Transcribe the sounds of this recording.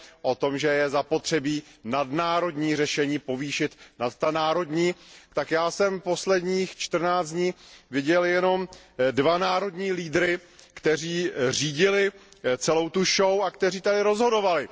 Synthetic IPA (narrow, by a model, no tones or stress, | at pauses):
ʔo̞t̪o̞mʒɛjɛzapo̞t̪r̝̥ɛbiːnadnaːɾo̞dɲiːrɛʃɛɲiːpo̞viːʃɪt̪nat̪ːanaːɾo̞dɲiːt̪akjaːsɛmpo̞slɛdɲiːxt͡ʃt̪r̩naːt͡sd͡zdɲiːvɪɟɛljɛno̞mdvanaːɾo̞dɲiːliːdɾɪkt̪ɛr̝iːr̝iːɟɪlɪt͡sɛlo̞wt̪uʃowakt̪ɛr̝iːt̪adɪɾo̞zɦo̞do̞valɪ